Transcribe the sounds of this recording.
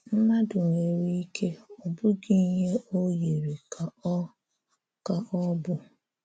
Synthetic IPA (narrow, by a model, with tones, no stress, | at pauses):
m̩˦ma˦dʊ˨ŋe˨ɾi˦i˦kʰe˦ɔ˨bʊ˦ɡi˦ɲe˦o˦ji˨ɾi˨ka˨˦ | ka˨ʔɔ˦bʊ˦